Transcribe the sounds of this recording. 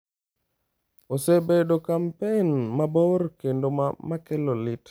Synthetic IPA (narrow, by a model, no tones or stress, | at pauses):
osebedokampenmabɔɾkendomamakɛlolit